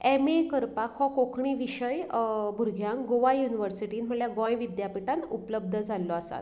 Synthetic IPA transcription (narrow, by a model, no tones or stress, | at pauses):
ɛmekəɾpakʰhɔkokʰɳiːʋiɕəjbʱuɾɡʱjãŋkɡoʋajuniʋəɾsiʈiːnm̤əɳljaɡɔ̃jʋid̪japiʈãnt̪upləb̚d̪ʱəd͡zʱalːɔasa̰t̪